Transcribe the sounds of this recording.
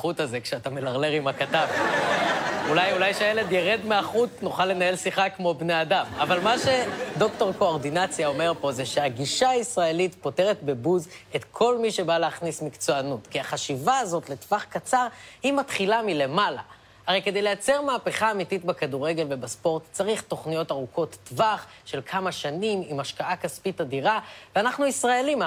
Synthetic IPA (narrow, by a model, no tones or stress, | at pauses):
utazekʃeatamelaʁleʁimakatav | ulajulajʃeajele̞d̪jeʁe̞dmeaχutnuχalːe̞nae̞lsiχakmo̞bneadamavalmaʃe̞do̞kto̞ʁko̞oʁd̪inat͡sjao̞me̞ʁpo̞zeʃeaɡiʃaisʁae̞lit̪po̞te̞ʁet̪be̞buze̞tkʰo̞lmiʃe̞baleaχnismikt͡so̞anutkiaχaʃivaːzo̞tle̞tvaχkat͡saʁhimatχilamile̞mala | aʁejke̞de̞jlejat͡se̞ʁmaːpe̞χaːmititbekaduʁe̞ɡe̞lvebaspo̞ʁtt͡saʁiχto̞χnijo̞taʁuko̞tːvaχ | ʃe̞lkʰamaʃanimimaʃkaʔakaspitadiʁaveanaχnuisʁae̞lim